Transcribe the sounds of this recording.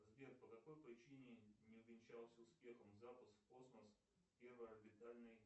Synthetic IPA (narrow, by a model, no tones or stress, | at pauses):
zbʲer̚pəkɐko̞jpɾʲɪt͡ɕinʲɪnʲɪʊvʲɪnʲt͡ɕalˠsʲəʊspʲe̞xəmzapəst̪ko̞sməs | pʲe̞rvəjɐbʲɪt̪alʲnɨj